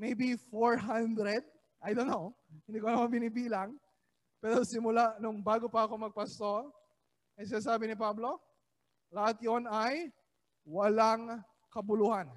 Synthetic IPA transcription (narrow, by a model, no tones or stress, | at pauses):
mejbifoɹɦand̪ɾɛd̪̚ | ʔɐjd̪onːohɪnd̪iːkonɐmaŋbɪnibiːlɐŋ | pɛːɾosɪmʊlaʔnʊŋbaːɡopɐɐko̞mɐɡ̚pɐst̪o̞ɾ | ɐjs̬ɪnaːs̬aːbɪnɪpablo̞ | lɐhat̪jonɐj | wɐlaŋ | kɐbʊluhan